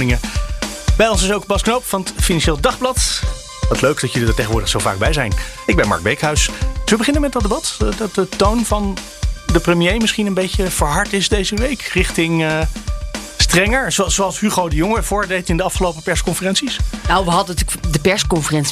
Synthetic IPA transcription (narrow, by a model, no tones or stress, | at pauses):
nɪŋə | bɛjɔnsɪsowk̚bɑsknowpfɑnətfinɑnʃeːlˠdɑχblɑt | ʋɑtløɥkd̥ɑtjɵlidəɹtejχəʋʊːɹdəχsowva̰ːɡ̚bɛjzɛjnɪɡbɛnmɑ̰ɹk̚bɛɹkɦœɥsdsʋəbəχɪnənmɛt̚dɑtdəbɑtdɑt̚dətownvɑn | dəprəmjejmɪsχinənbejcəv̥əɹɦɑɹtɪsdejzəʋejkrɪχtɪŋə | strɛŋəɹzosowɑlˠsɦyχowdəjʊŋəv̥ʊːɹdejtɪndəɑfχəlowpəpɛɹskɔnfərɛnsisnawʋəɦɑdəntːkdəpɛɹskɔnfərɛns